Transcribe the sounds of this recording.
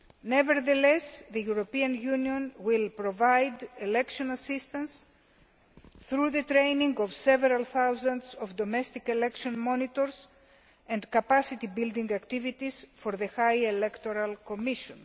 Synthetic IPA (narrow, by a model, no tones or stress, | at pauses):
neveɾðelesðejuɾopiɐ̃njuniõnwilpɾovajd̪elekʃõnɐsist̪ɐ̃ns | θɾuðet̪ɾejnĩŋɡovseveɾɐlθawzɐ̃ndsovd̪omest̪ikelekʃõnmõnit̪oɾs | ẽnd̪kɐpasit̪ibild̪ĩŋɡɐkt̪ivit̪isfoɾðexajelekt̪oɾɐlkomiʃõn